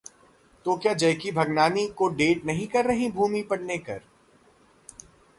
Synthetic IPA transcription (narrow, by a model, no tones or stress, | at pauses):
t̪okjaːd͡ʒɐjkibʱɐɡnaːnikoɖeːʈnɐɦĩkɐɾːɐɦĩbʱuːmipɐɽ̤nekɐ̰ɾ